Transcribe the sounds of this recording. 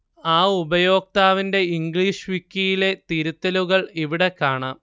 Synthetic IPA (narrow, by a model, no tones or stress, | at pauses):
aːubɐjo̞ːk̚t̪aːʋinde̞iŋɡɭiːʂʋikʲːijile̞t̪iɾut̪ːɐluɣɐɭiʋiɽe̞kːaːɳaːm